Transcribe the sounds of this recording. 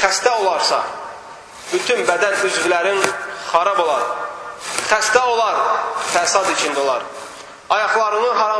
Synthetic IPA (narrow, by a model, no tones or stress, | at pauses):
χæst̪ɛolˠɑɾsɑ̰ | b̥yt̪ʰynbɛd̪ɛnyzvylæɾɪŋχɑɾɑbolˠɑɾ | χæst̪ɛolˠɑɾfæsɑd̪it͡ʃʰind̪ɛolˠɑɾ | ɑjɑχlˠɑɾɯnɯɦɑɾɑ